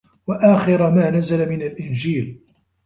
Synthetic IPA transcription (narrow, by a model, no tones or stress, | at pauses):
waʔaːxɪɾamaːnazalamɪnalʔɪnd͡ʒiːl